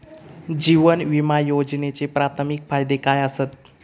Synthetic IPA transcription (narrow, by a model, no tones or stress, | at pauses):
d͡ʑiʋənʋimajod͡ʑnet͡sepɾat̪ʰmikfajd̪ekajəsət̪̚